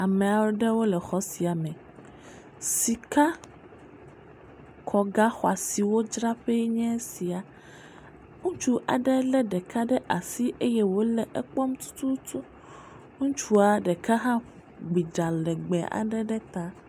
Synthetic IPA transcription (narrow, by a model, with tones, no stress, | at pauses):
a˨mɛ̃˨a˨wo˦ɖɛ˦wo˦lɛ˨xɔ˦si˨a˨mɛ̃˨ | si˨ka˦ | kʰɔ˨ɡa˦xɔ˨a̰˨si˨wo˦d͡ʒɾa˦ɸe˦ɲɛ̃˦si˨a˨ | ŋũ˦t͡ʃu˦ʔa̰˨ɖɛ˦lɛ˦ɖɛ˨ka˦ɖɛ˦ʔa˨si˦ʔe˦jɛ˦wo˦lɛ˨ʔɛ˦k͡pɔ˦mt̪u̥˦t̪ʰu˦t̪ʰu˦ | ŋũ˦t͡ʃu˦a˨ɖɛ˨ka˦ɦã˦ | ɡ͡bi˨d͡ʒa˨lɛ˨ɡ͡bɛ˨a̰˨ɖɛ˦ɖɛ˦t̪a˦